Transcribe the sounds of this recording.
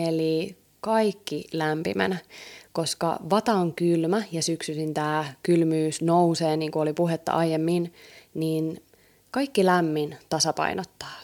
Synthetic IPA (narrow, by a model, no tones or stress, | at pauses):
eli | kɑikːilæmpḭmæ̰nækoskɑ̰ʋɑt̪ɑŋkylmæjɑsyksysint̪æːkylmyːsnouseːniːŋkuolipuɦet̪ːɑ̰ʔɑjjemːinniːn | kɑikːilæmːint̪ɑsɑpɑ̰inot̪ːɑ̥ː